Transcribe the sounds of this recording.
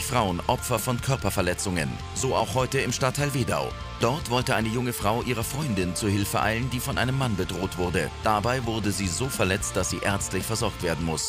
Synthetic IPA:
çfʁ̥aʊənʔɔpfɐfɔnkʰœɐpɐfɛɐlɛt͡sʊŋə̰n | zoːʔa̰ʊxhɔʏtəɪmʃtatʰːaɪlveːda̰ʊ | d̥ɔɐtv̥ɔltəʔaɪnəjʊŋəfʁ̥aʊʔiːʁ̞ɐfʁ̥ɔʏndɪnt͡suːɐhɪlfəʔa̰ɪləndiːfɔnʔaɪnəmːanbədʁoːtv̥ʊɐdəd̥abaɪvʊɐdəziːzoːfɛɐlɛt͡st̚d̥asz̥iːʔɛɐt͡stlɪçfɛɐzɔɐk̚tv̥eːɐdn̩mʊs

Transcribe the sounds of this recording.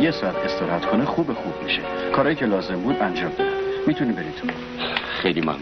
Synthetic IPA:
jesɒæt̪ʰest̪eɾɦæt̪kʰonexuːbexubmiʃekʰɒːɾɒːjiːcʰelɒːze̞mbuːd̪ænd͡ʒɒːmd̪ɒhæd̪miːt̪ʰuniːbe̞ɾiːt̪ʰ | xejlimæ̰

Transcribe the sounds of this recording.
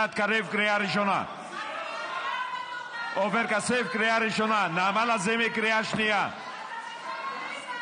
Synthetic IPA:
at̪kaɾefkɾeaɾiʃ̬ona̰ | ɔfeɾkasefkɾejaɾiʃɔnanaːmalazemekɾejaʃnija

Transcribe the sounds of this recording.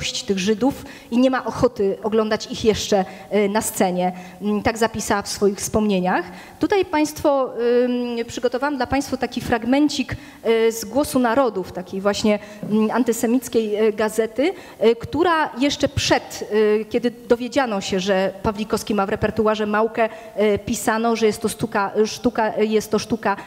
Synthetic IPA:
ɕt͡ɕi̥t̪ɘɣʐɘd̪uf | iɲɛmaʔɔxɔt̪ɘɔɡlɔnd̪at͡ɕixjɛʂt͡ʂɛ | nast̪sɛɲɛ | t̪aɡzapʲisafsfɔjixfspɔmɲeɲax | t̪ut̪ajpaj̃st̪fɔ | pʂɘɡɔt̪ɔvawamd̪lapaj̃st̪fɔt̪akʲifɾaɡmɛɲt͡ɕik | zɡwɔsunaɾɔd̪uft̪akʲejvwaɕɲɛ | ant̪ɘsɛmʲit̪skʲejɡazɛt̪ɘ | kt̪uɾajɛʂt͡ʂɛpʂɛt̪kʲɛd̪ɘd̪ɔvʲjed͡ʑanɔɕɛʐɛpavlʲikɔskʲimavɾɛpɛɾt̪uaʐɛmawkɛ | pʲisanɔʐɛjɛst̪ːɔʂt̪ukaʂt̪ukajɛst̪ːɔʂt̪uka

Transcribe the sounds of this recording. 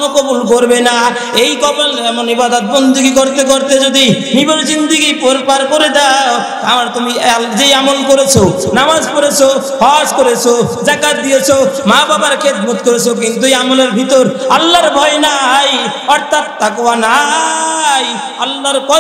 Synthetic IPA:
nokobulkoɾbena | ejkɔbalɛmonibad̪ot̪̚bond̪uɡikoɾt̪ekoɾt̪ed͡ʑod̪i | niboɾd͡ʑind̪iɡipoɾpaɾkoɾed̪ao | amaɾt̪umid͡ʑejamolkoɾet͡ɕʰonamad͡ʑpoɾet͡ɕʰo | hɔaskoɾet͡ɕʰod͡ʒakat̪̚d̪ijet͡ɕʰomababaɾkʰet̪̚mut̪koɾet͡ɕʰok̬int̪uejamoleɾbʱit̪oɾalːaɾbʱɔenajɔɾt̪ʰat̪̚ːakowana | j | alːaɾkɔ

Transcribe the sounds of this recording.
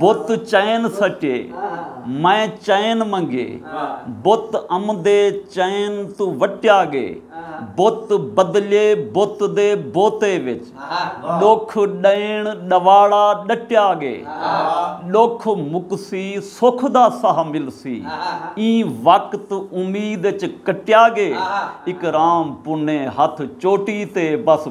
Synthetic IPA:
bot̪t͡ʃənsəʈḛː | mɛ̃ːt͡ʃənmə̃ŋɡḛːbot̪əmd̪eːt͡ʃənt̪ːʋəʈjaːɡḛːbot̪bəd̪leːboːt̪d̪eːboːt̪eːʋɪt͡ʃ | ɗokʰɗəɪɳɗəʋaːɽaːɗəʈɪjaːɡḛː | ɗokʰmʊksiːsʊkʰd̪aːsəɦmɪlsḭːĩːʋəkt̪ʊmiːd̪ɪt͡ʃkəʈjaːɡeːɪkɾaːmpʊneːɦət̪ʰt͡ʃoːʈiːt̪eːbəs

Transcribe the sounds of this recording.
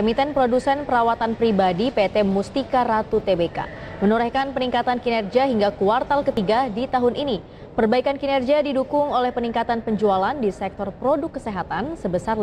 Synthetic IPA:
kɔmit̪ənpɾodusɛnpəɾawat̪anpɾibadipet̪ɛmust̪ikaɾat̪ut̪ebeka̰ | mənuɾɛhkanpəniŋkat̪ankinɛrd͡ʒiaɦiŋɡakuart̪alkət̪iɡadit̪aɦʊnʔini | pərbaikankinɛrd͡ʒiadidukʊŋolɛhpəniŋkat̪anpəɲd͡ʒualandisɛk̚t̪ɔrpɾodʊkːəseɦat̪ansəbəsar

